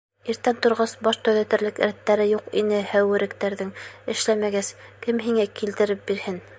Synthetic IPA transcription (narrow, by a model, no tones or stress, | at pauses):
iɾt̪ːænt̪ŏɾʁɑsbɑʃt̪ɵðæt̪ɘ̆ɾlɘkɾæt̪ːæɾɘjuqinɘhæwɘ̆ɾɘ̆kt̪æɾðɘŋɘ̆ʃlæmæɡæskɘmɦiŋækilt̪ɘ̆ɾɘp̚biɾhɘn